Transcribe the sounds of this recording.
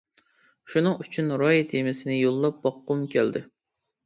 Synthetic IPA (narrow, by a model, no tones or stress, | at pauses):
ʃunɨŋyt͡ʃʰynɾɑjit̪ʰemɪsɪnɪjolˠːɑp̚bɑqːumkʲʰæld̪ɪ